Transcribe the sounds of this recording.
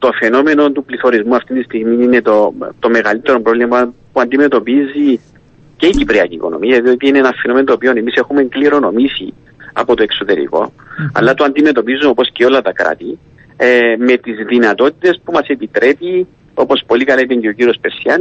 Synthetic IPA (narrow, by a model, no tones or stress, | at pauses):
t̪o̞fe̞no̞me̞no̞nt̪upliθo̞ɾizmuɐft̪int̪ist̪iɣmiine̞t̪ot̪o̞me̞ɣɐlit̪ːe̞ɾompɾovlimɐpuɐnd̪ime̞t̪o̞pizi | ce̞icipɾiɐciːko̞̰no̞̰miɐjɐðio̞t̪iineenɐfeno̞menot̪oːpio̞ne̞mise̞xume̞ŋkliɾo̞no̞misḭ | ɐ̰po̞t̪oe̞ksot̪e̞ɾḭko̞̰ | ɐ̰lːɐt̪oɐnd̪ime̞t̪o̞pizːunopo̞sceo̞lːɐt̪ɐkɾa̰t̪i | eme̞t̪izðinɐt̪o̞t̪it̪e̞spumɐse̞pit̪ɾe̞pi | o̞po̞spo̞likɐlaɐit̪ɐɲɟeo̞ciɾio̞speɾsiɐn